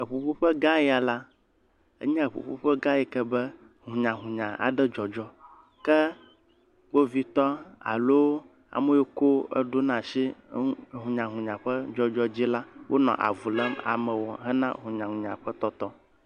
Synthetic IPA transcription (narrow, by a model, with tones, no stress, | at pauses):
ə˨ɸu˨ɸu˦ɸə˦ɡa˦jɛ˦a˨la˦ | ə̰˦ɲã˦ə˨ɸṵ˨ɸu˦ɸə˦ɡa˦jɛ˨kɛ˦bɛ˦ | ɦũ˨ɲã˨ɦũ˨ɲã˨ʔa̰˨ɖɛ˦d͡ʒɔ˨d͡ʒɔ˦ | kɛ˦ | ɡ͡bo˦vi˦t̪ɔ˦a̰˨lo˦ | a̰˨mɛ˦jo˦ko˦ə̰˦ɖo˦nã˨ʃi˦˨ | ɦũ˨ɲã˨ɦũ˨ɲã˨ɸə˦d͡ʒɔ˦d͡ʒɔ˦d͡ʑi˦la˦wʔo˦nɔ̰̃˨ʔa̰˨vu˨lə˦ma̰˨mɛ̃˨wɔ˨ɦɛ˦nã˦ɦũ˨ɲã˨ɦũ˨ɲã˨ɸə˦t̪ɔ˦t̪ɔ˦